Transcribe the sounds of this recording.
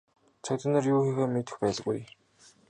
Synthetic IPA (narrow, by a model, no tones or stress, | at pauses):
t͡sʰak̚t̪ə̆nə̆rjuːxexeːmet̪ɘ̆xpæːɮɣuj